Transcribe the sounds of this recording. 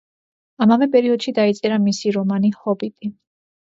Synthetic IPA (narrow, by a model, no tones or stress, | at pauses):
amavɛpʼɛɾiɔd̪̥ʃid̪ait̪sʼɛɾamisiɾɔmanihɔbit̪ʼi